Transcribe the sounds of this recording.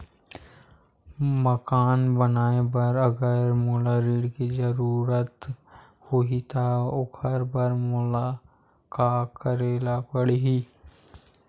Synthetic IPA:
məkaːnbənaːebɐɾɐɡəɾmoːlaɾiːɽkizəɾuːɾət̪ | hoɦit̪ʰaʊkʰəɾbəɾmʊla | kaːkəɾeːlapəɽeɦiː

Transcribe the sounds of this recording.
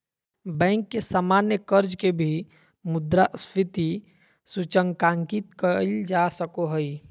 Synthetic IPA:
bɛ̃ːŋkːesaːmanjəkəɾd͡ʒkebʱi | mʊd̪ɾastɪt̪i | sut͡ʃəŋɡkãːŋkit̪kəld͡ʒasəkoɦəi

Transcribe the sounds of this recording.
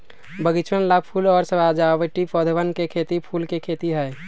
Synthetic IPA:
bəɡɪt͡ʃʰənlapʰuːlɔːɾsəbaːd͡ʒaːʋəʈipɔːd̪ʱʋənkekʰeːt̪ipʰuːlkekʰeːt̪iɦɛ

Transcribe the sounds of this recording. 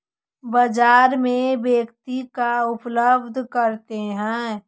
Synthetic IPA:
bəd͡ʒaːɾmẽbeːkt̪ikaʊpləbd̪ʱkəɾt̪eɦɛ̃

